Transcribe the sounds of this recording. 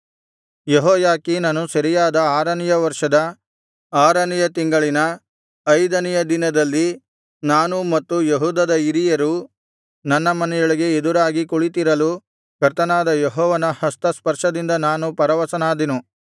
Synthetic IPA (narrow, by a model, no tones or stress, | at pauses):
jeɦɔːjaːkiːnɐnusɐɾijaːd̪ɐaːɾɐnijɐʋɐɾʂɐd̪ɐ | aːɾɐnijɐt̪iŋɡɐɭinɐ | ɐjd̪ɐnɛjɐd̪inɐd̪ɐlːi | naːnumɐt̪ːujeɦuːd̪ɐd̪ɐiɾijɐɾu | nɐnːɐmɐnɛjoɭiɡe̞ed̪uɾaːɡikuɭit̪̬iɾɐlu | kɐɾt̪ɐnaːd̪ɐjeɦɔːʋɐnɐhɐst̪ɐspɐɾʂɐd̪ind̪ɐnaːnupɐɾɐʋɐsɐnaːd̪inu